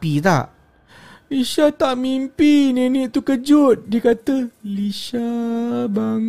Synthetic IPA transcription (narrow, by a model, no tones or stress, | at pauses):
it̪a̰ʔ | liʃat̪aʔmimpinenĩʔt̪ukəd͡ʒʊt̪̚dikat̪əliʃaba